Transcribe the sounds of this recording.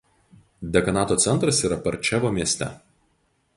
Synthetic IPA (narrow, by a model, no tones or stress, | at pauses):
d̪ʲɛkɐnɑːt̪oːt̪sʲɛnt̪ɾɐsiːɾɐpɐɾʲt͡ʃʲɛʋoːmʲiɛsʲt̪ʲɛ̰